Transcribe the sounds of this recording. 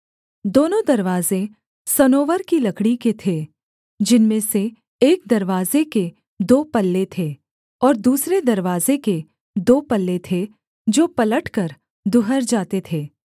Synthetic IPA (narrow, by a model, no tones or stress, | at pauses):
d̪oːnõd̪ɐɾʋaːzẽ | sɐnoːʋəɾkilɐkɽiket̪ʰeː | d͡ʒɪnmẽseː | k̚d̪ɐɾʋaːzeke | d̪oːpɐlːet̪ʰeː | ɔːɾd̪uːsɾed̪ɐɾʋaːzeke | d̪oːpɐlːet̪ʰe | d͡ʒoːpɐləʈkɐɾ | d̪ʊɦəɾd͡ʒaːt̪et̪ʰeː